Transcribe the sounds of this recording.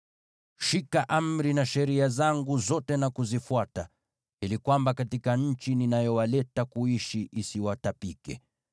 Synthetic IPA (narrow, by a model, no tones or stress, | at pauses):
ʃikaʔam̩ɾinaʃɛɾiazaŋɡuzɔtɛnakuzifuata | hilikwambakatikaɲ̩t͡ʃininajɔwalɛtakuiʃiʔisiwatapikɛ̰